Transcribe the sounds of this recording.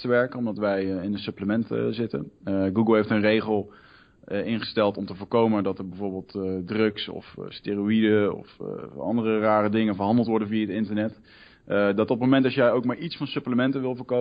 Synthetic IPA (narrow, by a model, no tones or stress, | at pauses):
təʋɛɹkənɔmdɑtʋɛjɪnətsɵpləmɛntzɪtə̰nɡuɡəlˠɦejftənrejχəlˠ | əɪnχə̥stɛlˠtɔmtəvʊːɹkowməndɑtəɹbɛvoːɹbɪːlˠtdrɵksɔ̰fsteroidəɔ̰fɑ̰ndərəraːrədɪŋənvəɹɦɑndəlˠtʋɔɹdənvijaətɪntəɹnɛt | dɑtɔt̚mowmɛntɑsjɛjowk̚maːɹitsfɑnsɵpləmɛntənʋɪlˠvəːɹko